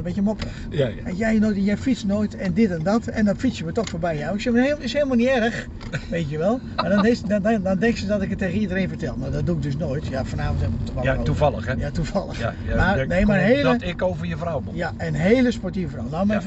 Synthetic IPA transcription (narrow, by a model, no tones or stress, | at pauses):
bɛəmoprəxɛjɛjnoːjtɛnjɛjfit͡snoːjtɛndɪtɛndɔtɛ̰ndɔnfit͡sjəmətɔxfoːɹbɛjjawɪksɛməhemɪsheːlˠmalˠniɛrəx | ʋeːtjəʋɛlˠ | madɔnsdɔndɛŋksədɔtɪkətːeːɣənidərẽːnfərtɛlˠmadɔt̚duɪk̚døs̬noːjtjafɔnaːfɔnthɛmtəʋɔouvlˠəxjatufalˠə̰xmarnejmaənheːləɪkowvəjəfrawjaənɦeːlˠəspɔrtivəfrawnɔmɛ